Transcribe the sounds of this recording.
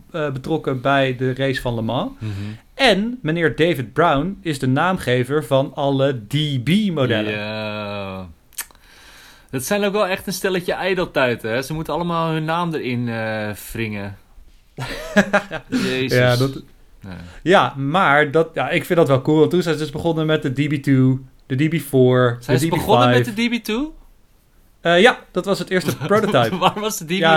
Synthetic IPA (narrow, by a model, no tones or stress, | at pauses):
əbətrɔkəbɛjdərejsfɑnləmɑ̃ | ɛnmənɪːɹdejvɪd̚brawnɪzdənaːmχejvəɹvɑnɑlədibimodɛlə | dɑtsɛjnowkʋɛlˠɛχtənstɛləcəʔɛjdəlˠtɛjtəɛsəmutəɑlˠəmaːlˠɦɵnːaːmdəɾɪnəfrɪŋə | jesjadɔtː | jamaːɹdɔtjaɪkfɪndɔtʋɛlˠkulˠʋɔntːunsɛnzədɵsbəχonəmɛt̚dədibitu | d̥ədibifoɹsɛdibonəjɛdədibitu | əjad̥ɔtʋɑsətɪːɹstəprototapʋaʋɔsdədia